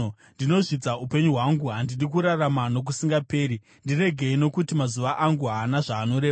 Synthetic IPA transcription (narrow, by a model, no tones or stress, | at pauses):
ndino̞ʐid͡zaupe̞ɲuɦwaŋɡuɦandirik̬uɾaramano̞k̬usiŋɡape̞ːɾi | ndire̞ɡʱe̞ino̞kutimazuʋaʔaŋɡuɦaːnaʐaːno̞ɾe